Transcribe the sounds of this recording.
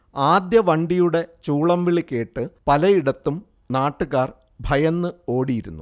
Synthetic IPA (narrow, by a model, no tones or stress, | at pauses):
aːd̪jɐʋɐɳɖijuɽe̞t͡ɕuːɭɐmʋiɭikʲːeːʈːɨpɐlɐjiɽɐt̪ːum | naːʈːuɣaːr | bʱɐjɐnːɨo̞ːɽijiɾunːu